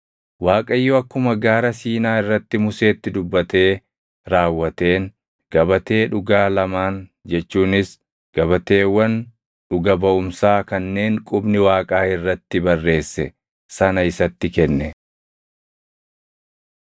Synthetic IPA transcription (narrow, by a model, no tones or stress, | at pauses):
waːkʼɐjːɔɐkːʊmɐɡaːɾɐsiːnaːɪrːɐt̪ːɪmʊse̞ːt̪ːɪd̪ʊbːɐt̪e̞ː | ɾaːwːɐt̪e̞ːn | ɡ̥ɐbɐt̪e̞ːᶑʊɡaːlɐmaːnd͡ʒɛt͡ʃːuːnɪs | ɡ̥ɐbɐt̪e̞ːwːɐn | ᶑʊɡɐbɐʔʊmsaːkɐnːe̞ːŋkʼʊbnɪwaːkʼaːɪrːɐt̪ːɪbɐrːe̞ːsːɛ | sɐnɐɪsɐt̪ːɪkɛnːɛ